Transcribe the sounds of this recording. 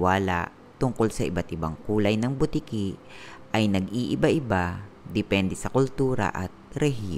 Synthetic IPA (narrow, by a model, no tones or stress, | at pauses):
waːla̰ʔ | t̪ʊŋkolsɐʔɪ̰bat̪̚ɪbaŋkuːlɐjnɐŋbʊt̪ɪkɪʔɐjnɐɡʔiʔɪbaʔɪba | d̪ɪpɛnd̪ɛsɐkʊlt̪uːɾɐ̰ʔɐ̰t̪̚ɾɛhi